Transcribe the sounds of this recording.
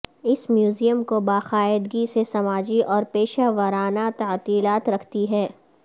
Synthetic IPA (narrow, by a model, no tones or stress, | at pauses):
ɪsmjuːzijəmkobaːxaːɪd̪ɡisesɐmaːd͡ʒiʔɔːɾpeːʃaːʋəɾaːnat̪ɐːt̪iːlaːt̪ɾɐkʰt̪iɦɛː